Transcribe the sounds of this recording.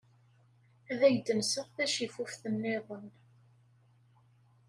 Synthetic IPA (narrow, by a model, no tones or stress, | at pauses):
æðæjd̪ənsəʁθæʃifufθənːɪðˤən